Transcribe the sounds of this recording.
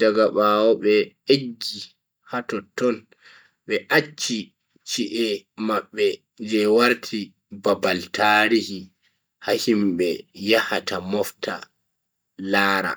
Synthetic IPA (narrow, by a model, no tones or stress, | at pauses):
daɡaɓawɔɓɛeɡːi | hatɔtɔn | ɓɛʔat͡ʃːi | t͡ʃiʔɛmaɓːɛ | d͡ʒɛwaɾtʰi | babaltʰaɾihi | hahimɓɛjahatamɔftʰa̰ | laːɾa̰